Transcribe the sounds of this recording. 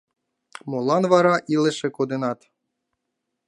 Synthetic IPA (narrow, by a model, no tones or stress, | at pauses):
molˠɑnvɑɾɑʔilɘ̆ʃĕkod̪ɘnɑt̪